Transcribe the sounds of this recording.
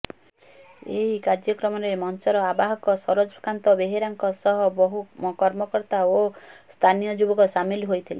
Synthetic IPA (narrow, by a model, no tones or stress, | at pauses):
ḛɦikad͡ʒjɔkɾɔmɔɾemɔnsɔɾɔabaɦɔkɔsɔɾod͡ʒkant̪ɔbeɦiɾaŋkɔsɔɦɔbɔɦukɔɾmɔkɔɾt̪aost̪ʰanijɔd͡ʒubɔkɔsamiliɦojt̪ʰile